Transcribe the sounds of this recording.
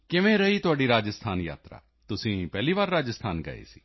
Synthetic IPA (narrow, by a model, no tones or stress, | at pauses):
kɪʋẽɾɐɦit̪ʊaːɖiɾaːd͡ʒəst̪ʰaːnja̰ːt̪ɾa̰ː | t̪ʊsĩpɛːliʋaːɾːaːd͡ʒəst̪ʰaːnɡɐ̰ḛsi̥ː